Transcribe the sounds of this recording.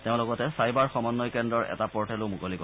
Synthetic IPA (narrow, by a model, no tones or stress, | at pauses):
teʊ̃lɔɡɔtɛsajbaɹxɔmɔnːɔjkɛndɹɔɹɛ̰tapɔɹtʰɛlomukolikɔ